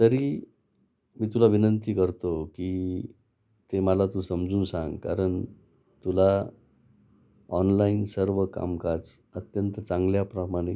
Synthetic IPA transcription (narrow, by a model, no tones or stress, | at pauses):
t̪əɾi | miːt̪ulaʋinənt̪iːkəɾt̪oki | t̪eməlat̪ũsəmd͡zuːnsãŋɡka̰ɾəɳ | t̪ula | ɔnlainsəɾʋəka̰mkat͡s | ət̪jənt̪ət͡sãŋɡljapɾəmaɽ̃e